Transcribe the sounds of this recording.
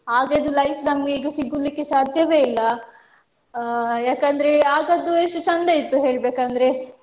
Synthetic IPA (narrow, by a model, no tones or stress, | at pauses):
aːɡed̪ulɐjfnɐmɡeiːɡɐsiɡulːikːe̞saːd̪ʱjɐʋe̞ːilːɐ | jaːkɐnd̪ɾeaːɡɐd̪ːueʂʈut͡ʃɐnd̪eit̪ːuɦe̞ːɭbeːkɐnd̪ɐɾe